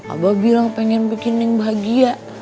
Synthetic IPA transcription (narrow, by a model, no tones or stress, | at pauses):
a̰babiɾaŋpɛŋɛnpikinɪŋbaɦaɡiaʔ